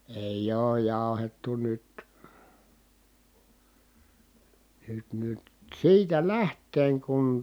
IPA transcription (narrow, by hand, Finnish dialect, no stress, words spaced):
eˑij oːj jɑˑu̞hetːu nyt nyt nyt siːtæ læhtˑeːŋ kun